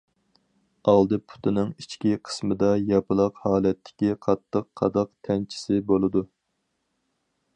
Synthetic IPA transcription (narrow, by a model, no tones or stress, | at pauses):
ɑlˠd̪ɨpʰu̥t̪ʰɨnɨŋit͡ʃkʲiqʰə̥smɨd̪ɑjɑpɨlˠɑqhɑːlɛt̪ʰːɪ̥kʲiqʰɑt̪ʰːəqʰːɑ̰d̪ɑqt̪ʰɛnt͡ʃʰi̥sɪbolˠɨd̪u